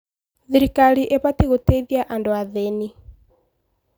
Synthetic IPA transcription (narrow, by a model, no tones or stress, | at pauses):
ðiɾikaliʔepatiɣutɛðjaʔandoaðɛni